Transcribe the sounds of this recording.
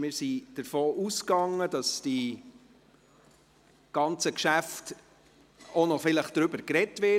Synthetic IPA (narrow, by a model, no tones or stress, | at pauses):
mɪːɾsid̥əɾfoːʔuskɑŋːəd̥ɑsd̥i | ɡ̥ɑnt͡səkʃæft | ɔnɔfɪləχd̥ɾʏbəɾkɾɛtʋɪ